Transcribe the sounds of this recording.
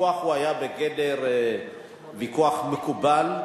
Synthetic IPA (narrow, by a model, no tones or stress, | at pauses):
uaχuajabeɡedeʁ | vikuaχmekubal